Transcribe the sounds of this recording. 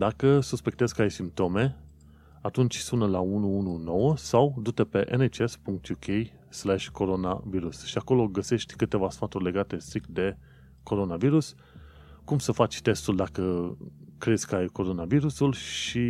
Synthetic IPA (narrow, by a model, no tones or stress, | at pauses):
d̪akəsuspe̞k̚t̪ezʲkəajsimp̚t̪o̞me̞ | at̪unt͡ʃʲsunəlaunuununo̞wəsawd̪ut̪epe̞ʔenet͡ʃespuŋk̚t̪jukʰej | slaʃʲko̞ɾo̞na̰viɾusʃiako̞lo̞ɡəse̞ʃt̪ʲkɨt̪e̞vasfat̪urʲle̞ɡat̪e̞st̪ɾikt̪d̪e̞ | ko̞ɾo̞naviɾus | kumsəfat͡ʃʲt̪e̞st̪uld̪akə | kɾezʲkəajko̞ɾo̞naviɾusulʃi